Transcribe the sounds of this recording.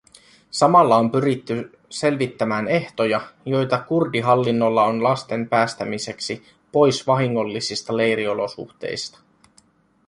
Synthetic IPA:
sɑmɑlːɑo̞mpyɾit̪ːy | se̞lʋit̪ːæmæːne̞ht̪o̞jɑjo̞jt̪ɑkurdiɦɑlːinːo̞lːɑo̞nlɑst̪e̞mpæːst̪æmise̞ksi | po̞jsʋɑɦiŋːo̞lːisist̪ɑle̞jɾio̞lo̞sṵxt̪ḛjst̪ɑ̥

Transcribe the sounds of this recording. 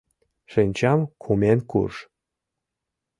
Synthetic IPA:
ʃɘnʲt͡ɕɑmkʰumenkṵʃ

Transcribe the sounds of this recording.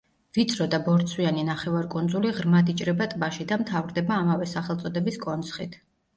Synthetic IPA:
v̥it̪sʰɾɔd̪abɔɾt̪sʰwianinaχɛvaɾkʼund̪zuliʁɾmad̪it͡ʃʼɾɛbat̪ʼbaʃid̪amt̪ʰavɾd̪ɛbaːmavɛsaχɛlˠt̪sʼɔd̪ɛbiskʼɔnt̪sʰχit̪ʰ

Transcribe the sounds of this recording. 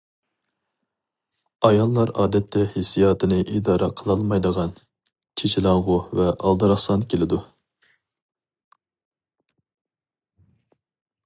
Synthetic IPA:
ɑjɑlˠːɑɾɑ̰ːd̪ɛt̪ʰːɛhesijɑːt̪ʰɨnɨʔid̪ɑːɾɑqʰəlˠɑlˠmɑjd̪əʁɑn | t͡ʃʰet͡ʃʰilˠɑŋʁʊvɛʔɑlˠd̪ɨɾɑχsɑnkʲelɪd̪u

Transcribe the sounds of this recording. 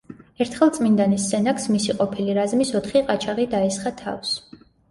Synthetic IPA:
ɛɾt̪ʰχɛlˠt̪sʼmind̪anisːɛnaksmisiqʼɔpʰiliɾazmisɔt̪ʰχiqʼat͡ʃʰaʁid̪aɛsχat̪ʰa̰fs

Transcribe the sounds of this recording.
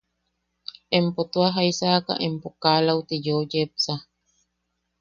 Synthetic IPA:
empot̪uaɦaisaka̰ʔempokaːlawt̪ijojepsa

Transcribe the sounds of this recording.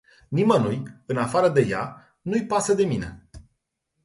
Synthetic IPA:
nimənujɨnafaɾəd̪e̞ja | nujpasəd̪e̞mine̞̰

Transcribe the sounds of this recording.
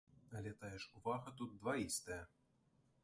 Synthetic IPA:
ɐlʲɛt̪ajɛʂuvaɣɐt̪ut̪̚d̪vaist̪ɐjɐ

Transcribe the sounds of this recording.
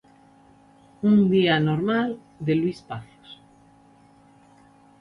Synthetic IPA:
und̪ianoɾmal | d̪elwispaθo̥s

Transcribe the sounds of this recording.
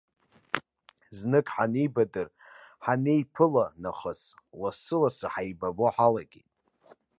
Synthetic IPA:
znɨkʼħanejbadɨrħanejpʰɨlanaχəslasɨlasaħajbaboħalaɡʲḛtʼ

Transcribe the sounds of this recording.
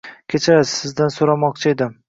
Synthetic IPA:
kʲʰet͡ʃʰasɪzd̪ansoɾamɒq̚t͡ʃʰaed̪ɪm

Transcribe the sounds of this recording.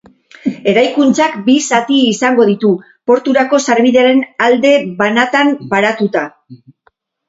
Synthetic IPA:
e̞ɾajkunt͡sakbisat̪iːsaŋɡo̞ð̞it̪u | po̞ɾt̪uɾako̞saɾβiðe̞aɾe̞nald̪e̞βanat̪ambaɾat̪ut̪a

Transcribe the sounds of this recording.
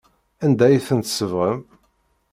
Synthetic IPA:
ænd̪æjθənt̪səvʁəm

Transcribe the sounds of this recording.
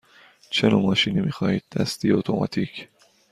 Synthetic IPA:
t͡ʃʰenomɒːʃiːnimiːxɒːhiːd̪̚ːæst̪ijot̪ʰo̞mʔɒ̰ːt̪ʰiːcʰ

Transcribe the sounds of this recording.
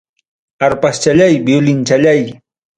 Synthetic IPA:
aɾpast͡ʃaʎajbjʊlɪnt͡ʃaʎaj

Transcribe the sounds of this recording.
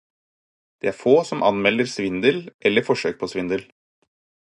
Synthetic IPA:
d̪̥ḛːæːɾfoːsɔmʔɑnmɛlːəɾsʋɪnd̪əlʔɛlːəfɔʂøːk̚pʰoːsʋɪnd̪əl

